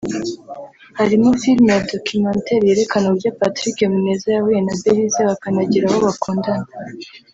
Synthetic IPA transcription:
haɾimofilmejado̞kumaːnte̞ɾje̞ɾe̞kanoɾɟapatɾikemune̞ːzajahuje̞nabeɾizaβakanaɟiɾaho̞βakuːndana

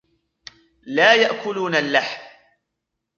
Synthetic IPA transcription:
laːjaʔkʊluːnalːaħm

